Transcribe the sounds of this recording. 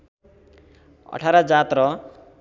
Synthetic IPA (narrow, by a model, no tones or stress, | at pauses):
ʌ̰ʈʰaɾad͡zat̪ɾʌ